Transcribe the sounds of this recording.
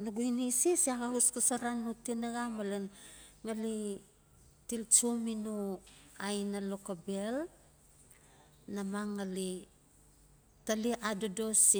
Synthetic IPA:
nuɡuinisisiaɡaɦuskasaɾanːutinaɡamalenŋali | tilt͡ʃuminuajnalokabel | namaŋːali | taliʔadodosi

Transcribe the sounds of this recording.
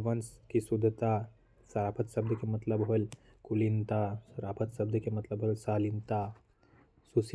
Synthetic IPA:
ʋɐnskisud̪ʱːt̪a | sɐɾaːpʰət̪sɐb̚d̪ʱəkemɐt̪ləbɦol | kulint̪asɾaːpʰət̪sɐb̚d̪ʱkemɐt̪ləbɦoːlsaːlint̪a | sus

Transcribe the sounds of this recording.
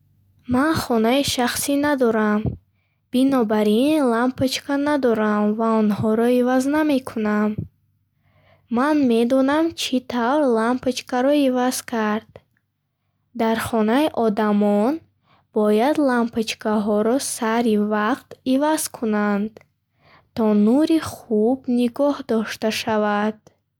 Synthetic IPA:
manχɔnaiʃaχsinad̪ɔɾam | b̥inɔbaɾinlampʰət͡ʃkʰanad̪ɔɾamvaɔnhɔɾɔivazname̞kʰunam | manme̞d̪ɔnamt͡ʃʰit̪ʰavɾlampʰat͡ʃkaɾɔivaz̥kʰaɾd̪̥ | d̪aɾχɔnaiʔɔd̪amɔn | b̥ɔjad̪lampat͡ʃkʰaɦɔɾɔsaɾivaqt̪ivaz̥kʰunand̪ | t̪ʰɔnuɾiχubniɡɔhd̪ɔʃt̪aʃavad̪̥

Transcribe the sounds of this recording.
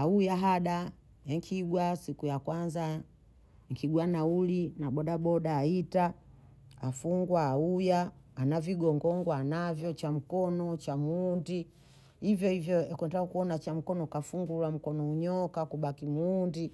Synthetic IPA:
aujaɦaɗa | ɛŋkʰiɡwasikujakwanza | ŋkiɡwanaulinaɓɔɗaɓɔɗaːita | afuŋɡwaːujaːnaviɡɔŋɡɔŋɡwanavjɔt͡ʃam̩kɔnɔt͡ʃamuundi | hivjɔhivjɔkwɛndaukuɔnat͡ʃam̩kɔnɔkafuŋɡulam̩kɔnɔuɲɔkakuɓakimuːndi

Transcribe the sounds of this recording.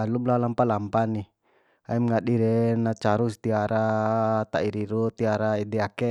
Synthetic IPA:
alublalampalampani | a̰imŋaɗiɾɛnat͡ʃaɾust̪iaɾat̪aiɾiɾut̪iaɾaidɛakɛ

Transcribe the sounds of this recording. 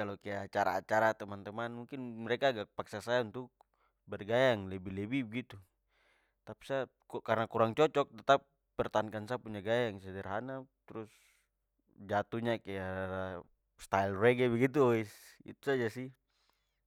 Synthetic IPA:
kalɔkajaat͡ʃaɾa̰ːt͡ʃaɾat̪ɛmant̪ɛmanmuŋkinmɛɾɛkaːɡak̚paksasajaunt̪uk̚ | bɛrɡajaŋlɛbilɛbibɛɡit̪u | t̪api̥sa | karnakuɾaŋt͡ʃɔt͡ʃɔk̚t̪ɛt̪ap̚ | pːɛrt̪aankansapuɲd͡ʒaɡajaŋsɛdɛrɦanat̪ɾus | d͡ʒat̪uɲakajaa | st̪ailrɛɡɛbɛɡit̪̬uisḭt̪u̥sad͡ʒasi

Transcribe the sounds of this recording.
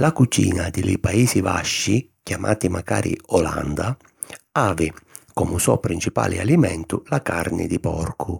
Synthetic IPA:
lakut͡ʃḭːnad̪ɪlɪpaiːsivaʃːi | kjamʔaːt̪imakaːɾʔḭɔla̰nd̪a | aːvɪkɔmʊsɔpːɾint͡ʃipa̰ːlɪalimɛnt̪ʊlakaɾnɪ̰d̪ɪpɔrkʰʊ

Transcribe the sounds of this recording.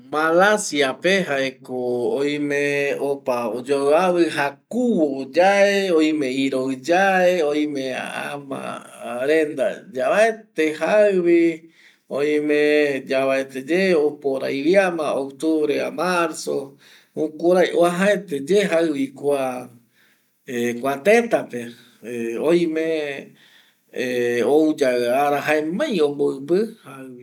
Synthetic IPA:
malasiapeɦaekoojĩmeopaod͡ʒoaβɨɦakuβod͡ʒaeojmẽiɾod͡ʒaeoj̃mẽa̰a̰mã̰ɾend̪a̰d͡ʒaβaet̪ehaɨβi | oj̃mẽd͡ʒaβaet̪ed͡ʒeopoɾa̰jβjamãokt̪uβɾeamaɾso | ũkuɾajʔoaɦaet̪ed͡ʒeɦaɨβikʷa | ekʷãt̪ẽt̪ape | oj̃mẽ | owd͡ʒaaɾaɦaemãj̃õmboɨbɨhaβi

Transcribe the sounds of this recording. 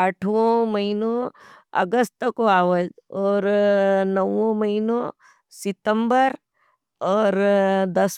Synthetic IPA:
ɐʈʰʋõmɐɦinõɐ̰ɡəst̪koaːʋəd͡ʒɔːɾnɐʋõmɐɦinõ | sɪt̪ə̃mbəɾ | ɔːɾd̪ɐs

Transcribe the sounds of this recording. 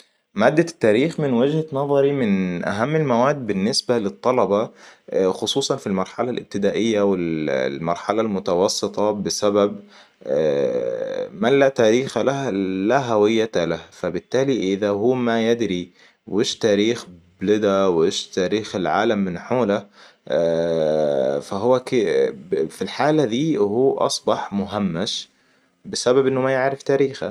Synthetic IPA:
maːd̪ːat̪ːaːɾiːxmɪnwɪd͡ʒhanɑðˤɑɾimɪnʔa̰ɦamːɪlmawaːd̪ːbɪnːɪsbalɪt̪ˤːɑlɑbɑ | xʊsˤuːsˤɑnfilmɑɾˤħalalʔɪ̰b̚t̪ɪd̪aːʔɪjːawɪllmɑɾˤħalalmʊt̪ɑwɑsˤːɨt̪ˤɑbɪsabab | mallːat̪aːɾiːxalalaɦawɪjːat̪alahfabɪt̪ːaːliʔɪðaɦuːmajɪd̪ɾi | weːʃt̪aːɾiːxblɪd̪awʔeːʃt̪aːɾiːxɪlʕa̰ːlamːɪnħoːla | faɦʊwːakɪ | filħaːlad̪iːhuːʔɑ̰sˤbɑħmʊɦamːaʃ | bɪsababʔɪnːʊmajɪʕɾɪft̪aːɾiːxa̰

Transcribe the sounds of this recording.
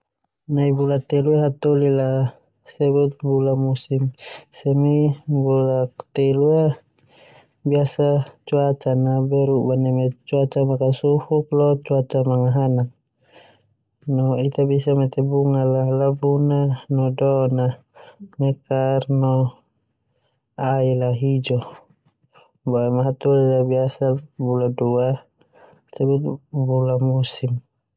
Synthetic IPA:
naibulat̪ɛluaɦat̪olila | sɛbut̪̚bulamusimsɛmibulakt̪ɛlua | biasat͡ʃuat͡ʃanabɛɾuʔbanɛmɛt͡ʃuat͡ʃamakasufuk̚lɔt͡ʃuat͡ʃamaŋaɦanak̚ | nɔit̪abisamɛt̪ɛbuŋalalabunanɔdɔna | mɛkarnɔ | ailaɦid͡ʒɔ | baɛmaɦat̪udalabiasabuladua | sabut̪bulamusim

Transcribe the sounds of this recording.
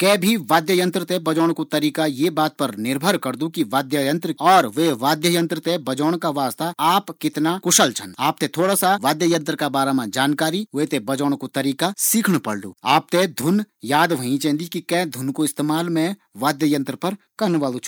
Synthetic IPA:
kɛ̃ːbʱiʋaːd̪jəjə̃nt̪ɾət̪ebɐd͡ʒɔːɽ̃kot̪ɐɾiːkajebaːt̪̚pɐɾnɪɾbʱəɾkɐɾd̪ukiʋaːd̪jəjə̃nt̪ɾɔːɾʋeʋaːd̪jəjə̃nt̪ɾət̪ebɐd͡ʒɔːɽ̃kaʋaːst̪aaːpkɪt̪nakʊʃəlt͡ʃʰə̰naːp̚t̪et̪ʰoːɽasaʋaːd̪jəjə̃nt̪ɾkabaːɾamãd͡ʒaːnkaːɾiʋet̪ebɐd͡ʒɔːɽ̃kot̪ɐɾiːkasiːkʰɽ̃pɐɽ̤d̪ṵːaːp̚t̪ed̪ʱʊnjaːd̪ʋɐɦĩt͡ʃẽːnd̪ikikɛ̃ːd̪ʱʊnkoɪst̪eːmaːlmẽʋaːd̪jəjə̃nt̪ɾəpɐɾ | kɐɾnʋaːlut͡ʃʰ

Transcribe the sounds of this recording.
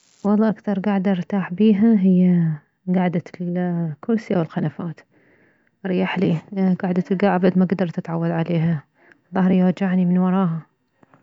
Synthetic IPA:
wɑlˤːɑːʔkθɑɾˤɡaːʕd̪ɾt̪aːħbiːɦaɦɪjːa | ɡaʕd̪at̪kʰʊlsjawɪlxanafaːt̪ | ɾˤjaħliɡaːʕd̪at̪ɪlɡaʕabad̪maɡad̪ɑɾˤt̪ɪt̪ʕawːad̪ʕaleːɦa | ðˤɑhɾˤjwad͡ʒaʕnimɪnwɑɾˤɑːɦa

